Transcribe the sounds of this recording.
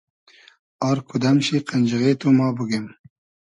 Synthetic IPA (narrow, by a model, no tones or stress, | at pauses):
ɑːɾkud̪amʃiqanʲd͡ʒəɣet̪omɑːbəɡem